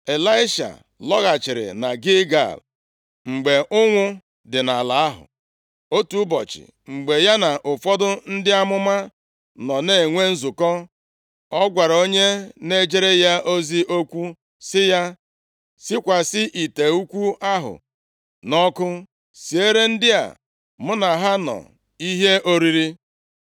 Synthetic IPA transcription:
e˨la˦ɪ˦ʃa̰˨ | lɔ˦ɣa˨t͡ʃɪ˨ɾɪ̰˨na˨ɡɪ˦ɡa̰˨l | ŋ͡m̩˨ɡ͡be˨ʔʊ˦ŋʷʊ˦ | dɪ˨na˨la˨a˦ɦʊ̰˨ | o˦tu˦bɔ˨t͡ʃɪ̰˨ | ŋ͡m̩˨ɡ͡be˨ja˦na˨ʔʊ˨fɔ˦dʊ˦n̩˦dɪ˦a˦mʊ˦ma˦ | nɔ˨ne˨ŋʷe˦n̩˦zʊ˨kɔ˦ | ɔ˦ɡʷa˨ɾa˨o˦ɲe˦ne˦d͡ʒe˦ɾe˦ja˦ʔo˦zi˦ʔo˦kʷu˦ | sɪ˦ja˦ | sɪ˦kʷa˨sɪ˦ʔi˨te˨u˦kʷu˦a˦ɦʊ̰˨ | nɔ˦kʊ˦ | si˨e˦ɾe˦n̩˦dɪ˦a̰˨ | mʊ˦na˨ɦa˦nɔ̰˨ | i˦ɦe˦ʔo˦ɾi˦ɾi˦

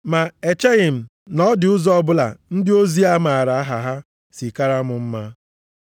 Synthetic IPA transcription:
ma˨e˨t͡ʃe˦ɣɪ˨m̩˨ | nɔ˦dɪ˨ʊ˦zɔ˦bʊ˦la̰˨n̩˦dɪ˦o˦zi˦a˦ma˨a˨ɾa˨a˦ɦa˨ɦa˦ | si˨ka˦ɾa˦mʊ˨m̩˦ma˦

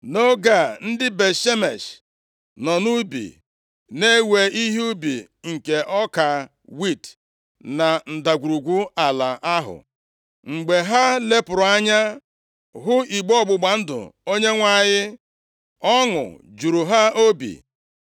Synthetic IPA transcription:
no˦ɡa˨n̩˦dɪ˦be˨ʃe˦me˨ʃ | nɔ˨nu˦bḭ˨ | ne˦we˨i˦ɦi˦u˦bḭ˨ | ŋ̩˨ke˨ʔɔ˦ka˨ | wi˦˨t | na˨n̩˨da˨ɡʷu˨ɾu˨ɡʷu˦a˨la˨ʔa˦ɦʊ̰˨ | ŋ͡m̩˨ɡ͡be˨ɦa˦le˦pʊ˨ɾʊ˨a˦ɲa˦ | ɦʊ˦i˨ɡ͡bɔ˦˨ɡ͡bʊ˨ɡ͡ba˨n̩˦dʊ̰˨o˦ɲe˦ŋʷa˦˨ɲɪ˦ | ɔ˦ŋʊ̰˨d͡ʒu˨ɾu˨ɦa˦o˦bḭ˨

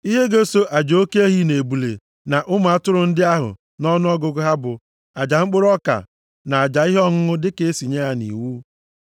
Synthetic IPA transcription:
i˦ɦe˦ɡe˦so˦ʔa˨d͡ʒo˦ke˦e˦ɦi˦ne˨bu˨lḛ˨ | na˨ʔʊ˦m˨a˦tʊ˦ɾʊ˨n̩˦dɪ˦a˦ɦʊ̰˨ | nɔ˦nʊ˦ɔ˦ɡʊ˨ɡʊ˦ɦa˦bʊ˨ | a˨d͡ʒa˨ŋ͡m̩˦k͡pʊ˦ɾɔ˦ka̰˨ | na˨a˨d͡ʒa˨i˦ɦɔ˦ŋʊ˦ŋʊ˦dɪ˦ke˦e˦si˨ɲe˦a˨nḭ˨wuː˦

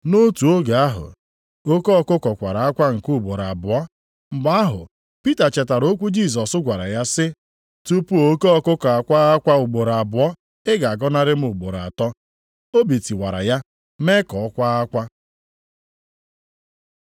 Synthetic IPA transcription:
no˦tu˨o˦ɡa˨a˦ɦʊ̰˨ | o˦ko˦ɔ˦kʊ˦kɔ˨kʷa̰˨ɾa˨a˦kʷa˦ŋ̩˨ku˦˨ɡ͡bo˨ɾa˨bʊ˨ɔ˦ | m̩˨ɡ͡ba˦ɦʊ̰˨ | pi˦ta˨t͡ʃɛ˨ta˨ɾo˦kʷu˦d͡ʒi˦˨sɔ˨sʊ˦ɡʷa˨ɾa̰˨ja˦sɪ˦ | tu˦pu˦o˨o˦ko˦ɔ˦kʊ˦kɔ˨a˨kʷa˦ɣa˦kʷa˦ʊ˨ɡ͡bo˨ɾa˨bʊ˨ɔ˦ | ɪ˦ɡa˨a˨ɡɔ˦na˦ɾɪ˦m̩˦ʊ˨ɡ͡bo˨ɾa̰˨tɔ˦ | o˦bi˨ti˨wa˨ɾa̰˨ja˦ | me˦kɔ˨ɔ˦kʷa˦a˦kʷa˦

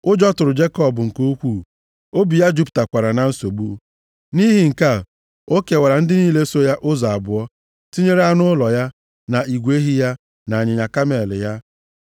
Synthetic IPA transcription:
ʊ˦d͡ʒɔ˦tʊ˨ɾʊ˨d͡ʒe˦kɔ˦˨bʊ˨ŋ̩˨ko˦kʷu˦˨ | o˦bi˨ja˦d͡ʒu˦pta˨kʷa˨ɾa˨na˨n̩˦so˨bu˦ | ni˦ɦi˨ŋ̩˨ka˦˨ | o˦ke˨wa˨ɾa˨n̩˦dɪ˦niː˦le˦so˦ja˦ʔʊ˦za˨a˨bʊ˨ɔ˦ | ti˦ɲe˦ɾa˦nʊ˦ʊ˦lɔ˨ja˦ | na˨i˨ɡʷe˦ɦi˦ja˦ | na˨a˨ɲɪ˨ɲa˨ka˦me˨lɪ˨ja˦

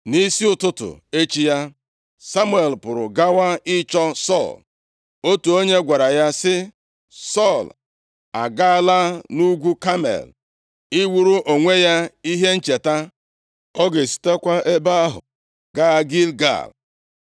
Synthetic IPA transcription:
ni˦si˦ʊ˦˨tʊ˦tʊ̰˨e˦t͡ʃi˦ja˦ | sa˦mu˦e˨lpʊ˨ɾʊ̰˨ɡa˦wa˦ɪ˦t͡ʃɔ˦sɔ̰˦˨l | o˦tu˨o˦ɲe˦ɡʷa˨ɾa˨ja˦sɪ˦ | sɔ˦˨l | a̰˨ɡa˦la˦nu˦ɡʷu˦ka˦mḛ˨l | i˦wu˦ɾu˦ʔo˨ŋʷe˦ja˦i˦ɦe˦n̩˦t͡ʃe˨ta˦ | ɔ˦ɡe˨si̥˦te˦kʷa˦e˦ba˦ɦʊ̰˨ | ɡa˦ɡi˦lɡa̰˦˨l

